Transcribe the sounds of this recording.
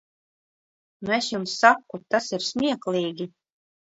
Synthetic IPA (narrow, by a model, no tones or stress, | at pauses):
nuɛsjumsːakːut̪asiɾsʲmʲiɛklʲˠiːɡʲi